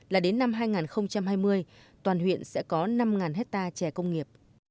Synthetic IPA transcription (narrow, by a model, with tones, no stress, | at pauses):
laː˨˩ɗe˨˦nːa˧mɦaː˧jŋaː˨˩nxə˧wŋ͡mt͡ɕa˧mɦaː˧jmɨ˧əj | t̪waː˨˩nhwḭ˧˨ənsɛ̰˧˥kɔ˨˦na˧mŋaː˨˩nhɛ˦˥t̚t̪aː˧t͡ɕɛ˧˩kə˧wŋ͡mŋi˨˩əp̚